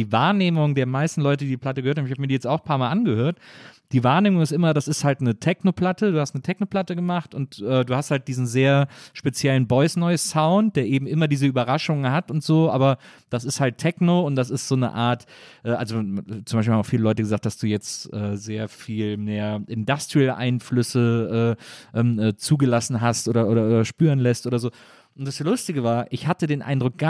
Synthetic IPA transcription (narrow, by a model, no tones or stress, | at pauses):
iːvaːɐneːmʊŋdeːɐmaɪstn̩lɔʏtədiːdiːpl̥atəɡəhøɐthamçhaːmːɐdijɛt͡saʊxpʰaːɐmaːlʔanɡəhøːɐtd̥iːvaːɐneːmʊŋɪstʔɪmɐdasɪsthaltnətʰɛknopl̥atəduːhastnətʰɛçnopl̥atəɡəmaχtʊntʔɛːduːhasthalt̚d̥iːzn̩zeːɐʃpet͡sjɛlənbɔʏsnɔʏəssaʊnt̚d̥eːɐʔeːbm̩ʔɪmɐdiːzəyːbɐʁaʃʊŋəhatʊntz̥oːʔaːbɐ | d̥as̬ɪsthaltʰːɛknoʊntd̥as̬ɪstz̥oːnə̰ʔa̰ːɐt | ʔɛːʔalzot͡sʊmbaɪʃ̬ilhamaʊfiːləlɔʏtəɡəzaːχtd̥asd̥uːjɛt͡stʔɛːzeːɐfiːlmeːɐʔɪndastilʔa̰ɪnflʏsəʔɛːʔɛːmʔɛːt͡suːɡəlasn̩ɦastʔoːdɐʔoːɾɐʔoːɾɐʃpyːʁənlɛstʔoːɾɐzoː | ʔʊntd̥aslʊstɪɡəvaːɐʔɪçhatədeːnʔa̰ɪndʁʊk̚ɡ̥a